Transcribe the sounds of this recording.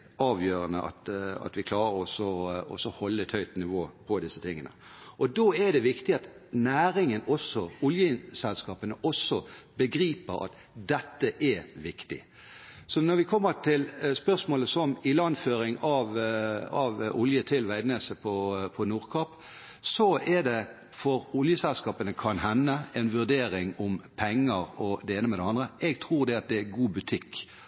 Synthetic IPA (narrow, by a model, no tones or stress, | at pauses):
ɑːʋjøːʁənəʔɑ̰t̪ɑ̰t̪ʋɪkʰlɑːɾəɔsɔɔ̰sɔhɔlːəɛt̪hœʏt̪nɪʋoːpʰɔd̪ɪsət̪ʰɪŋːə̰nə̰ʔɔd̪oæd̪ɛʋɪkt̪ɪɑt̪ | næːɾɪŋənɔsɔʊljəsɛlskɑːpənəʔɔsɔbəɡɾiːpəɾɑ̰t̪ | d̪ɛt̪ːəʔɛʋɪkt̪ɪ̰ | sɔnɔɾʋɪkʰɔmːət̪ʰɪlspœʁsmoːləsɔmɪlɑnføːɾɪŋɑʋɑʋʊljət̪ʰɪlʋæɪd̪neːsəpʰɔpʰɔnuːʁkʰɑp | sɔɛd̪ɛ | fɔɾʊljəsɛlskɑːpənəkʰɑnɦɛnːəɛnʋʉʁd̪eːɾɪŋʊmpʰɛŋːəɾɔd̪ɛeːnəmɛd̪ɛɑnd̪ʁəɛɡt̪ʰʁuːɾd̪ɛɑt̪̚d̪ɛæɡuːbʉt̪ʰɪkː